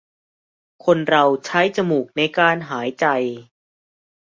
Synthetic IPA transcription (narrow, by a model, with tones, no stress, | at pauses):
kʰo˧nɾa˧wt͡ɕʰa˦˥jt͡ɕa˧muː˨˩k̚na˧jkaː˧nɦaː˩˦jt͡ɕa˧j